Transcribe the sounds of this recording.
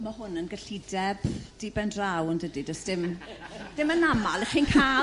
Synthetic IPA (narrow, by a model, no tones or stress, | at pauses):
maɦʊnənɡəɬidɛb̥d̥iːbɛndrawəndədidɔsd̥ɪmd̥ɪmənamalˠiχiːnkʰa